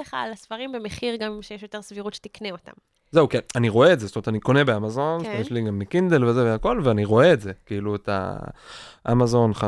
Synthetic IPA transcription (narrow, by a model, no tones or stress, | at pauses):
eχa̰lasfaʁimbemeχiʁɡamʃejeʃjot̪e̞ʁsviʁut̪ʃet̪ikneot̪a̰m | ze̞ukianiʁo̞eetzestometaniko̞ne̞beamazo̞nt̪mjeʃliɡamːekind̪elvezeveako̞lveaniʁo̞e̞etze̞kiiːluet̪a̰ | ʔa̰mazo̞nχa